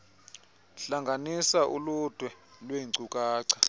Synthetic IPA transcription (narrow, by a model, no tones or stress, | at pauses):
ɬaŋɡʱanisaʔulud̥ʱwɛlweǀukʼaːǀʰḁ